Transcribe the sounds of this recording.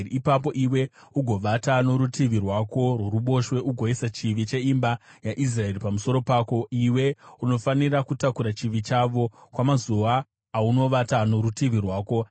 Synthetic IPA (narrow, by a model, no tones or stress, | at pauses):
ipap̬o̞ʔiwe̞ | uɡʱo̞ʋatano̞ɾutiʋirwako̞rweɾuɓo̞ʃwe̞ʔuɡʱo̞isat͡ʃiʋit͡ʃe̞imbajaʔis̬rae̞ripamuso̞ɾo̞pako̞iwe̞uno̞fanirakutakuɾat͡ʃiʋit͡ʃaʋo̞kwamazuaː | uno̞ʋatano̞ɾutiʋirwaːko̞